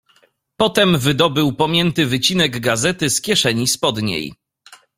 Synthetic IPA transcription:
pɔt̪ɛmvɘd̪ɔbɘwpɔmʲjɛnt̪ɘvɘt͡ɕinɛɡɡazɛt̪ɘskʲjɛʂɛɲispɔd̪ɲḛj

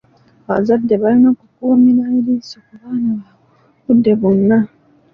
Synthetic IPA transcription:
aβazadːe̞βalinokukuːminaiɾisokuβaːnaβa | kudːe̞βonːa

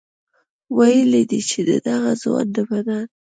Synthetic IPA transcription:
wajəlid̪it͡ʃed̪ə̰d̪aɣazwɑ̰nd̪əbad̪an

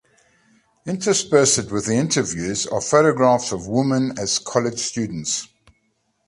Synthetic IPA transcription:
ɪ̃ntɹ̥əspɜˑsɪd̚wɪðiɪ̃ntəvjʉːzə̰fəʊɾəɡɹɑˑfsəvwʊmə̃nəz̥kʰɒlɪd̥ʒ̥st͡ʃʉːdⁿn̩ts

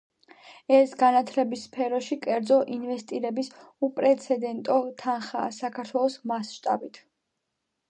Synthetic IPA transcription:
ɛsɡanat̪ʰlɛbisːpʰɛɾɔʃikʼɛɾd̪zɔʔinvɛst̪ʼiɾɛbis | upʼɾɛt̪sʰɛd̪ɛnt̪ʼɔt̪ʰanχaːsakʰaɾt̪ʰwɛlˠɔsmasʃt̪ʼa̰bit̪ʰ

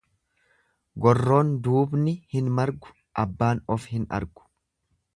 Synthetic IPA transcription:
ɡɔrːo̞ːnd̪uːbnɪhɪnmɐɾɡʊ̥ | ʔɐbːaːnɔfhɪnɐ̰ɾɡʊ̥

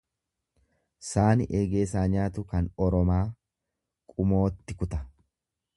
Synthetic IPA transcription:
saːnɪʔeːɡe̞ːs̬aːɲaːt̪ʊkɐnɔɾɔmaː | kʼʊmo̞ːt̪ːɪkʊt̪ɐ

